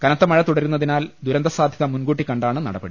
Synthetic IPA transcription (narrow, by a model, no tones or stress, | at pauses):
kɐnɐt̪ːɐmɐɻɐt̪uɽɐɾunːɐðinaːld̪uɾɐnd̪ɐsaːd̪ʱjɐðɐmunɡuːʈːikːɐɳɖaːɳɨnɐ̰ɽɐbɐ̰ɽi